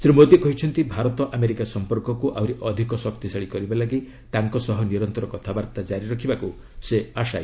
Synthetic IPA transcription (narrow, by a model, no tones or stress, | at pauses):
sɾimod̪iekɔɦit͡ʃʰɔnt̪ibʱaɾɔt̪ɔʔameɾikasɔmpɔɾkɔkuʔawɾiʔɔd̪ʱikɔsɔkt̪isaɭikɔɾibalaɡi | t̪aŋkɔsɔɦɔniɾɔnt̪ɔɾɔkɔt̪ʰabaɾt̪ad͡ʒaɾiɾɔkʰibaku | seaʃa̰j